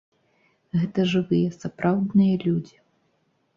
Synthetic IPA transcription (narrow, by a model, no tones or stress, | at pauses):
ɣɛt̪ɐʐɨvɨjɐsapɾʔawd̪nɨjɐlʲud͡zʲi